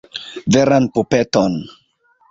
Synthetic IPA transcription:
veɾanpupeton

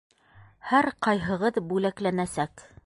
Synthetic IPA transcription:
hæɾqɑjɦɤ̆ʁɤðbʉlæklænæsæk

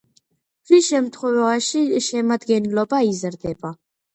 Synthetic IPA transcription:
ɾiʃɛmt̪ʰχwɛvaʃiʃɛmad̪ɡɛnlɔbaizɾd̪ɛba

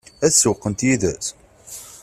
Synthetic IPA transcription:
æθsuwqːənt̪jiðæs

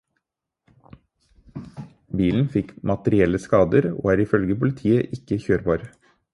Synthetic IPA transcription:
biːln̩fɪkmɑt̪əɾɪɛləskɑːd̪əɾo̰ːæːɾɪfœlɡəpʊlɪt̪ʰiːəʔɪkəçøːɾbɑːɾ

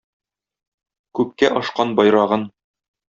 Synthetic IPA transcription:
kʉp̚kːæʔɒʃqɑnbɒjɾɑʁɤn

